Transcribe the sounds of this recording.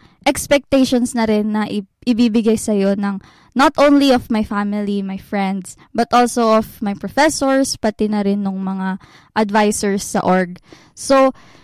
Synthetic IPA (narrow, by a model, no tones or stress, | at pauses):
ʔɛkspɛk̚t̪ɛʃonsnɐɾɛnːɐʔɪʔɪbiːbɪɡajsɐjo̞nɐŋ | nɐt̪ʔõwnliofmajfamɪlimajfɹɛ̃nd̪s | bɐt̪ʔolsoʔofmajpɹofɛsoɹspɐt̪ɪnɐɾɪnːʊŋmɐŋa | ʔɐd̪vajsɛɹsːɐ̰ʔoɹɡ̚ | so